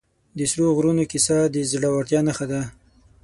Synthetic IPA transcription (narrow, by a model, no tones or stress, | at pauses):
d̪əsɾoɣɾunokisɑd̪əzɽawaɽt̪jɑnaxad̪a